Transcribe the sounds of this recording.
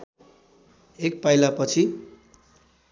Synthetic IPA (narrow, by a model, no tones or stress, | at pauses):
ek̚pajlapʌt͡sʰi